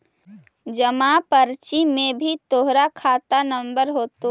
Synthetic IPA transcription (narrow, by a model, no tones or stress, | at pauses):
d͡ʒəmapəɾt͡ʃimẽbʱit̪oɦɾakʰaːt̪anə̃mbəɾɦoːt̪o